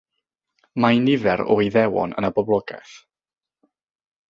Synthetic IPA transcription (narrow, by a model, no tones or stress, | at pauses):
majnɪvɛɾɔ̰iðɛwɔ̰nə̰nabɔblˠɔɡɛ̰θ